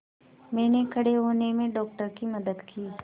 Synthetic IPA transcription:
mɛ̃ːnekʰɐɽeɦoːnemẽɖɔːk̚ʈəɾkimɐd̪əd̪kiː

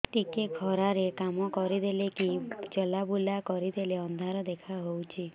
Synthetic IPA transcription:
ʈikeɡʱɔɾaɾekamɔkɔɾid̪elekid͡ʒɔlabulakɔɾid̪eleɔnd̪ʱaɾɔd̪ekʰaɦowt͡ʃʰi

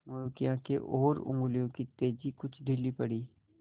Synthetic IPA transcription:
mojukijãkeʔɔːɾʊ̰̃ŋɡlijõkit̪eːd͡ʒikʊt͡ʃʰd̪ʱɪlːipɐɽiː

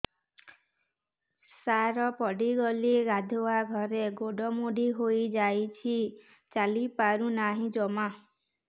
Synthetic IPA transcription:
saɾɔpɔɖiɡɔliɡad̪ʱowaɡʱɔɾeɡoɖɔmuɖiɦojd͡ʒajt͡ʃʰi | t͡ʃalipaɾunaɦĩd͡ʒɔma

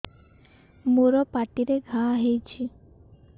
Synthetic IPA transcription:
moɾɔpaʈiɾeɡʱaɦejt͡ʃʰi

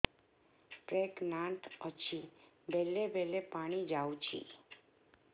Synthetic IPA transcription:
ʈɾeknãʈ̪ʰɔt͡ʃʰi | bʱɛlebʱelepaɽ̃id͡ʒawt͡ʃʰḭ

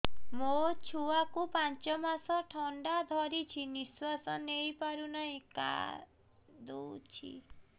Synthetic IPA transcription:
mot͡ʃʰuakupant͡ʃɔmasɔʈʰɔɳɖad̪ʱɔɾit͡ʃʰiniswasɔnejpaɾunaɦĩka̰ | d̪owt͡ʃʰḭ

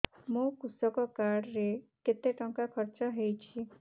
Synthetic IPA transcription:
mũkusɔkɔkaɽɾeket̪eʈɔŋkakʰɔɾt͡ʃɔɦejt͡ʃʰi

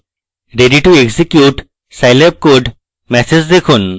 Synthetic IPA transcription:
ɾeɖiʈueɡsikjuʈ | sajleb̚koɖ | mɛsed͡ʑd̪ekʰun

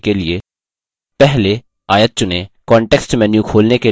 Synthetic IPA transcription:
kelie | pɛɦle | aːjət̪̚t͡ʃʊnẽkɔːɳʈeːksʈmɛ̃ːnjũkʰoːlneke

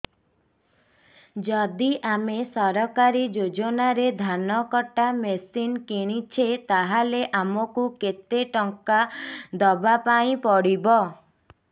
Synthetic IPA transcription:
d͡ʒɔd̪iʔamesɔɾɔkaɾid͡ʒod͡ʒɔnaɾed̪ʱanɔkɔʈamesinkeɽ̃it͡ʃʰet̪aɦaleʔamɔkuket̪eʈɔŋkad̪ɔbapaĩpɔɽibɔ

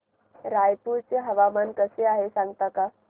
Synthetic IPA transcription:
ɾajpult͡seɦəʋamənkəseaɦesãŋɡt̪aka

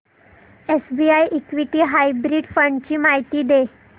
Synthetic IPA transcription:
esbiːajʔekʋiʈiːɦajbɾiːɖfəɳɖt͡ɕiːmaɦit̪iːd̪e

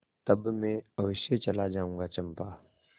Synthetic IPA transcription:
t̪ɐbmẽɐʋɪʃet͡ʃɐlad͡ʒaːũːɡat͡ʃəmpaː

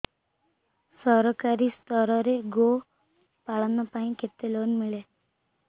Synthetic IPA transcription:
sɔɾɔkaɾist̪ʰɔɾɔɾeɡo | paɭanɔpaĩkʰet̪elonmiɭe

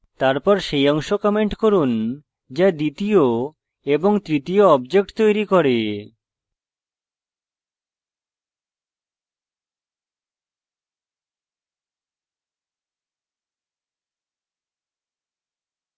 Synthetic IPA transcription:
t̪aɾpɔɾʃejɔŋʃokɔmeɳʈkoɾun | d͡ʑad̪it̪io | eboŋt̪ɾit̪ijoɔbd͡ʑek̚ʈt̪ojɾikɔɾe

